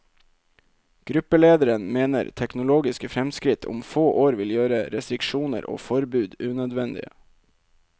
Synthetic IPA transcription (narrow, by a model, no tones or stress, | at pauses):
ɡ̥ɾʉpəleːd̪əɾənmeːnə̰ɾt̪ʰɛknʊloːɡɪskəfɾɛmskɾɪt̪ʰʊ̰mfoːʔoːɾʋɪljøːɾəɾɛst̪ɾɪkʃuːnə̰ɾʔo̰ːfɔɾbʉːd̪ʉːnœd̪ʋɛnd̪ɪ̰ə